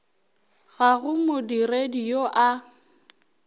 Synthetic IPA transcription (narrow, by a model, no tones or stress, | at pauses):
ɣaɣʊmodiredioʔa